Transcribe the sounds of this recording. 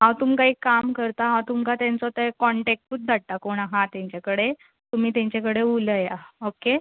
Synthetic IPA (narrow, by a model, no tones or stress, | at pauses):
ɦãwt̪umkaɦiːkamkəɾt̪aɦãwt̪umkat̪jãnt͡sɔt̪əkɔɳʈek̚ʈuːt̪̚d̪ʱaɽ̚t̪akoɽ̃aɦãt̪jãɲt͡ɕakəɽe | t̪um̤iːt̪ãɲt͡ɕakəɽeuləjaoke